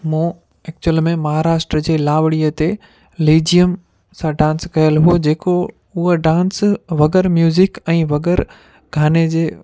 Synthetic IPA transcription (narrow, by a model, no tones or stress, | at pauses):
mũː | ɛːk̚t͡ɕuwəlmẽmɐɦaːɾaːʃʈɾəd͡ʑeːlaːʋɽiət̪e | liːd͡ʑijəm | sãɖãːnskɐjəlɦod͡ʑeːko | ʊɦoɖãːnsʋɐɡɛɾmjuːzɪkɛ̃ːʋɐɡɛəɾ | ɡʱaːned͡ʑeː